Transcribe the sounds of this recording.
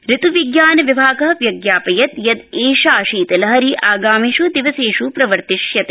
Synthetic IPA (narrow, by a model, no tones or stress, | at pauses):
ɾit̪uʋiɡjaːnɐʋibʱaːɡɐɦɐʋjɐɡjaːpɐjɐt̪jɐd̪eːʃaːʃiːt̪ɐlɐɦɐɾiʔaːɡaːmiʃud̪iʋɐseːʃupɾɐʋɐɾt̪iʃjɐt̪eː